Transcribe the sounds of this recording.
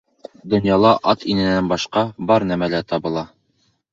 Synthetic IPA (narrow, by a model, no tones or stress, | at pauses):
d̪ŏnjɑlˠɑʔɑt̪ʰinɘ̆nænbɑʃqɑbɒɾnæmælæt̪ɑbɤ̆lˠɑ